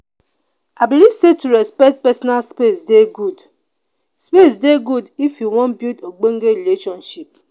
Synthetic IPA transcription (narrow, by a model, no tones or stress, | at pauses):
abiliv̥setuɾɛspɛkt̚pɛsɔnalspesdeɡud | spesdeɡudifjuwɔ̃nbjutoɡ͡boŋ̩ɡeɾileʃɔnʃip̚